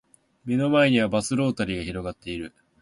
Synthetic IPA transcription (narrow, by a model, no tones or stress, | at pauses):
me̞no̞mae̞ɲ̟iβ̞abasɨɾo̞ːt̪aɾʲiɡaçiɾo̞ɡat̪ːe̞iɾɯ̟